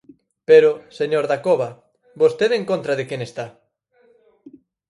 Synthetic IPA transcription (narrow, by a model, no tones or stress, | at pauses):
peɾoseɲoɾðakoβa | bost̪eðeŋkõnt̪ɾaðekenest̪a